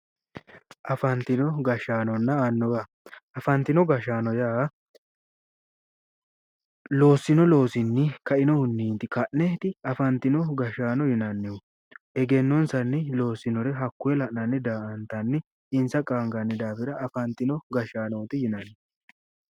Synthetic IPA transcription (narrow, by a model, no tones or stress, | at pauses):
ʔɐfɐnt̪ɪnɔɡɐʃaːnɔnːɐɐnːɔɡɐ | ɐfɐnt̪ɪnɔɡɐʃaːnɔjaː | lo̞ːsːɪnɔlo̞ːsɪnːɪkɐʔɪnɔhʊnːiːnt̪ɪkɐʔnɛt̪ɪɐfɐnt̪ɪnɔɡɐʃaːnɔjɪnɐnːɪʊ | ʔɛɡɛnːɔnsɐnːɪlo̞ːsɪnɔɾɛɦɐkːʊjɛlɐʔnɐnːɪd̪aːʔɐnt̪ɐnːɪ | ɪnsɐkʼaːŋɡɐnːɪd̪aːfɪɾɐʔːfɐnt̪ɪnɔɡɐʃaːnoːt̪ɪjɪnɐnːɪ